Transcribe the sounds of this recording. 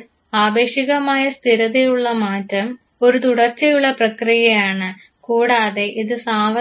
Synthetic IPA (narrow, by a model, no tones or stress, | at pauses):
aːbe̞ːɕiɣɐmaːjɐst̪ʰiɾɐðejuɭːɐmaːtːɐm | o̞ɾut̪uɽɐrt͡ɕːɐjuɭːɐprɐkrijɐjaːɳɨ | kuːɽaːðe̞ʔiðɨsaːʋɐ